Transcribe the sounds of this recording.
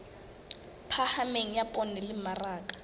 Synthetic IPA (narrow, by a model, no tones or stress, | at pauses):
pʰahameŋ̩japʼɔnɪlɪmaraːkʼḁ